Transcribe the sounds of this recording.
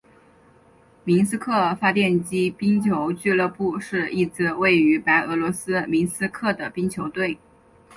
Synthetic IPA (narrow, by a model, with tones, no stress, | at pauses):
mi˧˥nsɹ̩˥kʰɤ˥˩fa˥t̪jɛ˥˩nt͡ɕi˥pi˥ŋt͡ɕʰjo˧˥ʊt͡ɕy˥˧lɤ˥˧pu˥˧ʂɻ̩˥˧i˥˩t͡sɹ̩˥˩we˥˩ɪy˧˥pa˧˥ɪʔɤ˧˥lwɔ˧˥sɹ̩˥mi˧˥nsɹ̩˥kʰɤ˥˩d̪ə˩pi˥ŋt͡ɕʰjo˧˥ʊt̪we˥˩ɪ